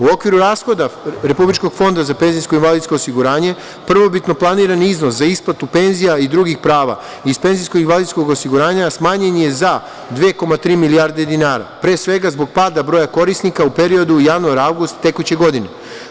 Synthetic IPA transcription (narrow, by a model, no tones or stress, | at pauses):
uo̞kʋiɾuɾaːsxo̞d̪aɾe̞publit͡ʃko̞ɡ̥fo̞nd̪azape̞nzijskoinʋalid̪sko̞osiɡuɾaːɲe̞ | pr̩ʋo̞bit̪no̞plˠaniːɾaniznoszaisplˠat̪upe̞nzijaid̪ɾuːɡixpɾaːʋa̰ | ispe̞nziskoɡinʋalid̪sko̞ɡosiɡuɾaːɲasmaːɲeɲijeza | d̪ʋeko̞mat̪ɾiːmilijaɾd̪e̞d̪inaːɾa̰pɾe̞ːsʋe̞ɡazbo̞ɡ̚paːd̪abɾo̞jako̞ɾisnikaupe̞ɾio̞d̪ujaʋnuaɾaʋɡust̪ːe̞kut͡ɕeɡo̞d̪ine